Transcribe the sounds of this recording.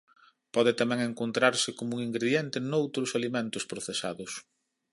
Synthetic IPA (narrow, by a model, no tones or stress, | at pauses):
pɔðɪt̪amɛŋeŋkont̪ɾaɾsɪkomuŋiŋɡɾeðjɛnt̪ɪnowt̪ɾʊsalimẽnt̪ʊspɾoθesa̰ðʊs